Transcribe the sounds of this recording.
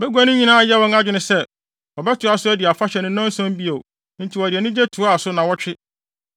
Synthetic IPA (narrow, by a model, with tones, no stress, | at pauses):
bɛ˦ɡʷu˦a˦nʊ̃˦ɲĩ˦nãː˦a˨jɛ˦wɔ̃˦ŋa˦d͡ʑᶣɪ˨nʊ̃˨sɛ˦ | wɔ˨bɛ˦tʰʊ˨a˦sʊ˦æ˦dɪ˨a˨fa˦ɕɛ˨nʊ̃˦nɔ̃˦n̩˦sɔ̃˦m˦bi˦o˨ | n̩˦tʰi˨wɔ˨dɪ˨ɛ˨nʊ̃˦d͡ʑɛ˦tʰu˨a˦a˨sʊ˦nã˨wɔ˦t͡ɕᶣɪ˦